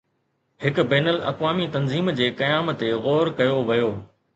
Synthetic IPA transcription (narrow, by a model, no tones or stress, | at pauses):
hɪkbɛːnəlɐ̰kʋaːmit̪ɐnziːmd͡ʑeːkɐjaːmt̪eɣoːɾkɐjoʋɐjoː